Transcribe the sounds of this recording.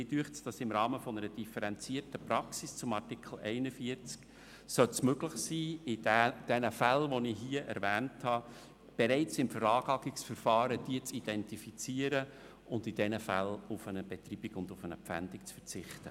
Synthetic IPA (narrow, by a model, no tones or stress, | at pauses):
ɪdyəχtsd̥ɑsɪmɾɑːməfɔnəɾəd̥ifəɾɛnt͡siəɾtəprɑksist͡sʊmɑrtɪkʰl̩ɛ̰ɪnəfiəɾt͡sk | sœltsmøɡlɪχsiːɪd̥ɛnəfælvoniɦiːəʔɛ̰ɾvɛːnthɑ | b̥ɛɾɛɪt͡sɪmfəɾɑːɡɑɡɪksfəɾfɑːɾəd̥iət͡sid̥ɛntifit͡siəɾə | ʊndɪd̥ɛnəfæ̰lʊfənəb̥ɛt̪riːb̥ɪɡʊndʊfənəpfæ̰ndɪk̚t͡sfəɾt͡sɪχtə